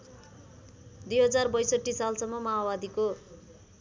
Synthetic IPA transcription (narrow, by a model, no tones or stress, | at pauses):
d̪ujɦʌd͡zarbʌjsʌʈːisalsʌmːʌmaɦabad̪iko